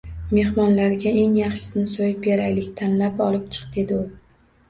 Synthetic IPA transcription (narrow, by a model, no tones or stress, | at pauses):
me̞hmɒnlaɾɡʲae̞ŋjɑχʃɪ̥snɪsojɪpeɾajlɪkʲt̪ʰanlapɒlˠɪp̚t͡ʃʰɨ̥qd̪e̞d̪ɪʊ